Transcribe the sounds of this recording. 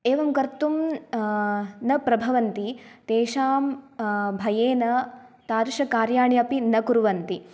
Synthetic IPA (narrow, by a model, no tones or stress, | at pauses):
eːʋɐmkɐɾt̪um | nɐpɾɐbʱɐʋɐnt̪it̪eːʃaːmbʱɐjeːnɐt̪aːɾʃɐkaːɾjaːɳiɐpinɐkuɾuʋɐnt̪i